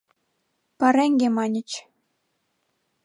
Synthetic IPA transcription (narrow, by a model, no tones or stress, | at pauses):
pɑɾæŋɡʲemɑnʲə̆t͡ɕ